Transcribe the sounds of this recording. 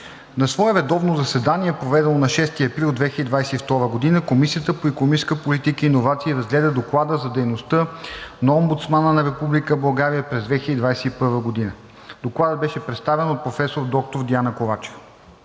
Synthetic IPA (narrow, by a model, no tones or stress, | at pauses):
nɐsvɔɛvɛd̪ɔvnozɐsɛd̪aniɛpɾovɛd̪ɛlˠonɐʃɛst̪iɐpɾilˠd̪vɛxçʲəd̪id̪vajsɛift̪ɔɾvəɡod̪inəkomisijət̪əpoikomiskəpolit̪ikəinovat̪siːɾɐzɡlɛd̪əd̪oklˠad̪əzɐd̪ɛjnost̪ənɐombut̪smanənɐɾɛpublikəbɐlˠɡaɾijəpɾɛzd̪vɛxiəd̪id̪vajsɛipɤɾvəɡod̪inə | d̪̥oklˠad̪əd̪̚bɛʃɛpɾɛt̪st̪avɛnot̪̚pɾofɛsoɾd̪ɔk̚t̪oɾd̪ianɐkovat͡ʃɛ̥v